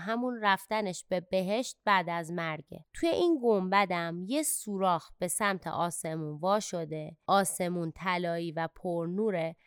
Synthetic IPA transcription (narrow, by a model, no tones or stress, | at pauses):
ɦæmunræft̪æneʃb̥e̞be̞ɦe̞ʃt̪̚bæd̪æzmæɾɟḛt̪ʰujeʔiːnɡombæd̪æmjesuːɾɒːxb̥e̞sæmt̪ʰḛʔɒːse̞muːnvɒːʃo̞d̪e̞ʔɒːse̞munt̪ʰælɒːiːvæpʰoɾnuːɾe